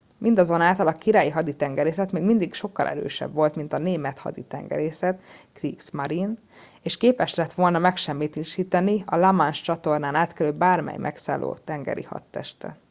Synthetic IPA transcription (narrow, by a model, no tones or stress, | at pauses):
mʔind̪ɒzo̞naːlt̪ɒlɒkiɾaːjiɦɒd̪it̪ɛŋɡɛɾeːsɛt̪meːɡmind̪ikʃo̞kːɒ̰lʔɛ̰ɾø̰ːʃɛ̰bʋo̞lt̪min̪t̪ɒneːmɛt̪hɒ̰d̪it̪ɛ̰ŋɡɛ̰ɾeːsɛt̪kriːksmɒɾin | eːʃkeːpɛʃlɛt̪ʋo̞lnɒmɛkʃɛmːiːt̪iʃiːt̪ɛniɒlɒmanʃt͡ʃɒt̪o̞rnaːnaːt̪kɛløːbaːrmɛ̰jmʔɛ̰ksa̰ːlʔo̰ːt̪ɛŋɡɛ̰ɾḭhɒ̰t̪ːɛʃt̪ɛ̰